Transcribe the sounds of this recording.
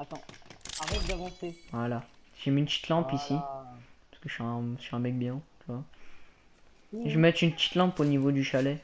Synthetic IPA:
at̪ɑ̃avɛd̪avɑ̃sevwalaʒemiːnt̪i̥t̪lɑ̃pisipaskəʃyɛ̃syɛ̃mɛk̚bjɔ̃t̪yvwa | ʒəmɛt̪ynpət̪i̥t̪lɑ̃poənivod̪yʃalɛ

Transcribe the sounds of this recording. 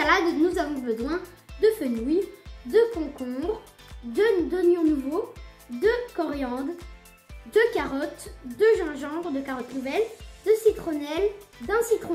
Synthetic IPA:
alad̪nuzavɔ̃bəzwɛ̃ | d̪əfønujd̪əkɔ̃kɔ̃ʁ | d̪əd̪ɔnjɔ̃nuvo | d̪əkɔʁjɑ̃d̪ | d̪əkaʁɔt̪d̪əʒɑ̃ʒɑ̃ʁd̪əkaʁɔt̪nuvɛld̪əsit̪χonɛld̪ɛ̃sit̪χo

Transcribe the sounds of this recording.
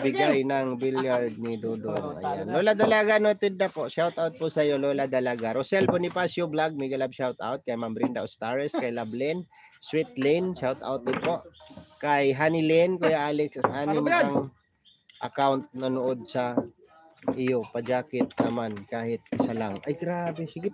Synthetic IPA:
bɪɡɡajnɐŋbiljaɾd̪̚nid̪od̪onɐ̰janlolad̪ɐlaɡanot̪ɪd̪napoʔʃawt̪ʔawt̪̚pʊsɐjoloːlad̪ɐlaɡaɾosɛlbonɪpasjoblaɡ̚mɪɡɐlabʃawt̪a̰wt̪̚kajmambɾɪnd̪aʔost̪aɹɛskajlablɛn | swɪt̪̚lɛnʃawt̪a̰wt̪̚nɪpoʔkajɦaːnɪlɛnkʊjaʔalɛkshaːnimaaŋ | ʔɐkawnt̪̚nɐnʊʔod̪̚sɐ | ʔɪjopɐd͡ʒaːkɪt̪̚nɐmankaːhɪt̪̚ʔɪsalaŋʔajɡɾaːbɛsɪɡɪ

